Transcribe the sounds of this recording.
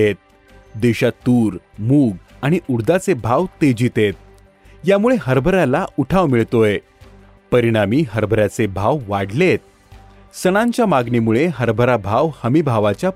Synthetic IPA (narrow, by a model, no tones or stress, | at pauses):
et̪̚ | d̪eɕat̪uːɾ | muːɡ | aɽ̃iʔuɽd̪at͡sebʱaʋt̪ed͡ʑit̪et̪̚ | jamuɭeɦəɾbʱəɾalauʈʰaʋmiɭt̪oe | pəɾiɽ̃amiːɦəɾbʱəɾjat͡sebʱaʋʋaɽlet̪̚ | səɽ̃ãɲt͡ɕjamaɡnimuɭeɦəɾbʱəɾabʱaʋhəmibʱaʋat͡ɕja